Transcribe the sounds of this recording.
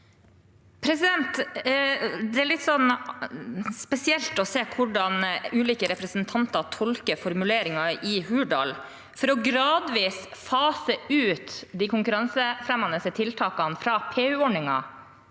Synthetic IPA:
pʰɾɛsɪd̪ɛnt̪ | d̪ɛæɭɪt̪sɔn | spɛsɪɛlt̪ɔseːkʰʊɖɑnʉːliːkəɾɛpɾɛsənt̪ʰɑnt̪ɑt̪ʰɔlkəfɔɾmʉleːɾɪŋɑɪhʉːɖɑ̰l | fɔɾɔɡɾɑːd̪ʋiːsfɑːsəʉːt̪d̪iːkʰʊŋkʉɾɑŋsəfɾɛmɑnəsət̪ʰɪlt̪ʰɑːkɑnfɾɑːpʰeːʉːɔɳɪŋɑ̰

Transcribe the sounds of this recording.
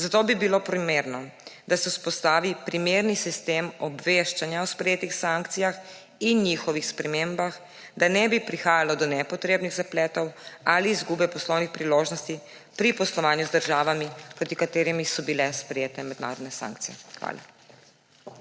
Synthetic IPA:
zat̪oːbibilopɾimeɾnɔd̪asɛuspɔst̪aːʋipɾimeɾnisist̪emɔbʋeʃt͡ʃanjawspɾɛjeːt̪ixsaŋkt̪sijax | injiːxɔʋixspɾɛmembax | d̪anɛbipɾixaːjalɔd̪ɔnɛpɔt̪ɾeːbniɣzaplɛːt̪ɔwaliːzɡubɛpɔslɔwnixpɾiloːʒnɔst̪i | pɾipɔslɔʋaːnjuzd̪əɾʒaːʋamipɾot̪ikat̪eːɾimisɔbilɛspɾɛjeːt̪ɛmɛd̪na̰ːɾɔd̪nɛsã̰ŋk̚t̪ijɛxʋa̰ːla̰

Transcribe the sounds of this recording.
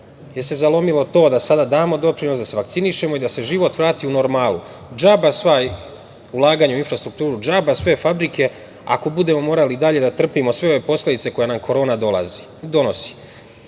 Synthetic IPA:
jese̞zalo̞milo̞t̪o̞ːd̪asad̪ad̪aːmo̞d̪o̞pɾino̞sd̪ase̞ʋakt̪siniʃe̞mo̞id̪ase̞ʒiʋo̞t̪ʋɾaːt̪iuno̞ɾmaːlˠu | d͡ʒabasʋaj | ulˠaːɡaːɲauinfɾast̪ɾukt̪uːɾud͡ʒaːbasʋe̞fabɾike̞ | a̰ko̞bud̪e̞mo̞mo̞ːɾaliːd̪aʎe̞d̪at̪r̩pimo̞sʋe̞o̞ʋe̞po̞sle̞d̪it̪e̞ko̞janamkʰo̞ɾo̞ːnad̪ola̰zi | d̪o̞no̞si̥

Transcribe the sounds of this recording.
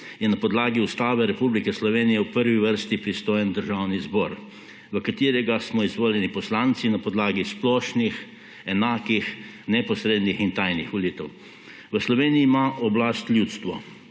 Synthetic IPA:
jɛnapɔd̪laːɡiust̪aːbɛɾɛpublikɛslɔʋeːnijɛwpəɾʋiʋəɾst̪ipɾist̪oːjɛnd̪əɾʒawnizbɔːɾ | ʋəkat̪iːɾɛɡasmɔizʋoːljɛnipɔslaːnt̪sinapɔd̪laːɡisplɔːʃnix | ɛnaːkix | nɛpɔsɾeːd̪nixint̪ajnixʋɔliːt̪əw | ʋəslɔʋeːniiːmaʔɔblast̪ljut̪st̪ʋɔ̰

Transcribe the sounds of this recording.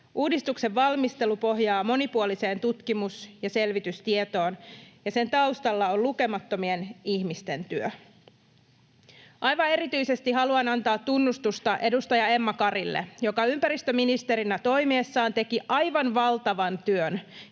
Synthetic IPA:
ʔuːdist̪ukse̞ʋːɑlmist̪e̞lupo̞ɦjɑːmo̞nipuolise̞ːnt̪ut̪kimusjɑse̞lʋit̪yst̪iet̪o̞ːnjɑse̞nt̪ɑwst̪ɑlːɑolluke̞mɑt̪ːo̞mie̞nihmist̪e̞nt̪yø | ʔɑjʋɑe̞ɾit̪yise̞st̪iɦɑluɑnɑnt̪ɑːt̪ːunːust̪ust̪ɑʔe̞dust̪ɑjɑe̞mːɑkɑɾilːḛjo̞kɑympæɾist̪øminist̪e̞ɾinæt̪o̞jmeeːsːɑːnt̪e̞kiʔɑjʋɑnʋɑlt̪ɑʋɑnt̪yøn

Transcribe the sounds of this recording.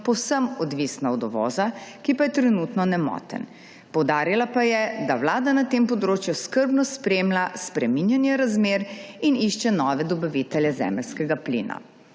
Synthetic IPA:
pɔwsəmɔd̪ʋisnaɔd̪ɔʋɔ̰ːzakipajɛt̪ɾɛnut̪nɔnɛmɔ̰ːt̪ə̰n | pɔwd̪aːɾilapajɛd̪awlaːd̪anat̪eːmpɔd̪ɾoːt͡ʃjuskəɾbnɔspɾeːmlaspɾɛminjanjɛɾazmeːɾiniʃt͡ʃɛnɔːʋɛd̪ɔbaʋit̪ɛljɛzɛ̰ːməlskɛɡaplḭːna̰

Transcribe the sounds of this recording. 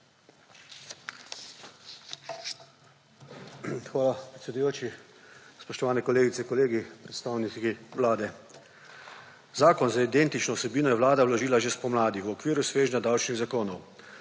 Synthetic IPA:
xʋaːlapɾɛt̪sɛd̪ujoːt͡ʃispɔʃt̪ɔʋaːnɛkɔleːɡit̪sɛkɔleːɡipɾɛt̪st̪aːwniiʋlaːd̪ɛ | zaːkɔnzaid̪ent̪it͡ʃnɔwsɛbiːnɔjɛʋlaːd̪awlɔʒiːlaʒespɔmlaːd̪iwɔkʋiːɾjusʋeːʒnʲɲad̪awt͡ʃniɣzakoːnɔw

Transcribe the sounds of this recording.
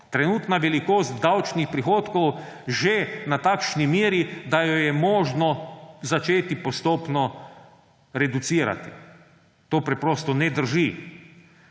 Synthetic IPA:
t̪ɾɛnuːt̪naʋɛlikoːst̪d̪awt͡ʃnixpɾixoːt̪kɔw | ʒenat̪aːkʃnimjeːɾid̪ajɔjɛmɔːʒnɔzat͡ʃeːt̪ipɔst̪oːpnɔ | ɾɛd̪ut̪siːɾa̰t̪ḭ | t̪oːpɾɛpɾoːst̪ɔnɛd̪əɾʒi

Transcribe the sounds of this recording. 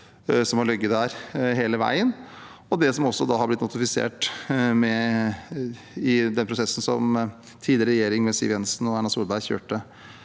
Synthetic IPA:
sɔmhɑɭœɡːət̪d̪æɾɦeːləʋæ̰ɪənɔd̪ɛsɔmɔsːɔd̪ɑːhɑɾblɪt̪nʊt̪ɪfɪsḛːʈmɛ | ɪd̪ɛnpʰɾʊsɛsːn̩sɔm | t̪ʰiːd̪ɪɾəɾɛjeːɾɪŋmɛsḭːʋjɛnsnɔænɑsuːlbæɪçø̰ːʈə

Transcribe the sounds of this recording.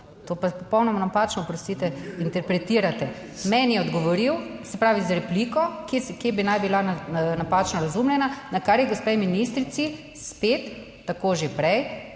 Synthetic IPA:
t̪oːpapɔpɔwnɔmɔnapaːt͡ʃnɔpɾɔst̪iːt̪ɛint̪ɛɾpɾɛt̪iːɾat̪ɛ | mɛnjɛɔd̪ɡɔʋɔɾiwsɛpɾaːʋizaɾɛpliːkɔkeskjeːbinajbilanapaːt͡ʃnɔɾazumlʲjɛnanakaɾjɛɡospɛjminist̪ɾit̪si | speːt̪ː | akoʒepɾɛj

